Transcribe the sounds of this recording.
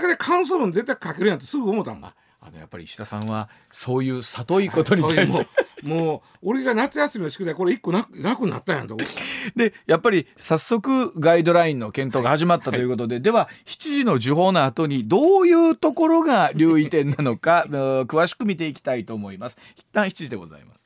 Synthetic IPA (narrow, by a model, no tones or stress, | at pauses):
ked̪ekʰãɯ̃s̬oɾond̪et̪ːakkake̞ɾɯ̟jãnt̪ːesɨɡɯomo̞t̪ːã̰na̰ | a̰no̞̰ja̰pːaɾʲḭɕi̥t̪asãɰ̃βa | so̞ːjɯ̟ːsat̪o̞iko̞t̪o̞ɲ̟it̪atemoː | oɾeɡanat͡sɨjasɨmʲinoɕi̥kɯd̪ako̞ɾeikːo̞nanakɯ̟na̰t̪ːãjãnt̪od̪e̞japːaɾʲisasːo̞kɯ̟ɡaid̪o̞ɾaĩnːo̞kẽ̞nt̪o̞ːɡahaʑimat̪ːat̪o̞jɯ̟ko̞t̪od̪e̞d̪e̞βaçi̥t͡ɕiʑino̞ʑiɦo̞ːnoat̪o̞ɲ̟id̪o̞ːjɯːt̪o̞ko̞ɾo̞ɡaɾʲɨːit̪ẽ̞nːano̞kakɯ̟βaɕi̥kɯ̟mʲit̪e̞ikʲi̥t̪ait̪o̞ːmo̞imasɨ̥çi̥t̪ːãɰ̃çi̥t͡ɕiʑid̪e̞ɡo̞̰za̰ḭma̰sɨ̥